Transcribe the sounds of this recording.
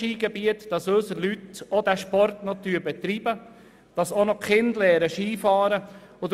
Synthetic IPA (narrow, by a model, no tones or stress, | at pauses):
iːɡ̥ɛbiətd̥ɑsøsəlytod̪æʃpɔrtnɔt̪yːɾbɛt̪ɾibə | d̥ɑsonɔkχɪndlɛːɾəʃiːfɑːɾə | ɔd